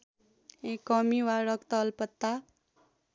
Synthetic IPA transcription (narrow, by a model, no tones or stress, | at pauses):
ekːʌmiwaɾʌkt̪ʌlpʌt̪ːa